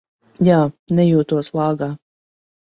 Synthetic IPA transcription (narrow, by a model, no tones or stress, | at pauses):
jaːnɛjuːt̪uɔslˠɑːɡaː